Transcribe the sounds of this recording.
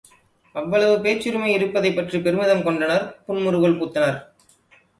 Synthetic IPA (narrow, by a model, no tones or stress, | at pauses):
ɐʋːɐɭɐʋɯpeːt͡ʃːɯɾɯmɐɪɪɾɯpːɐðɐɪpːɐʈripɛɾɯmɪðɐmkɔɳɖɐnɐɾpʊɳmʊɾɯɣɐɭpuːt̪ːɐnaɾ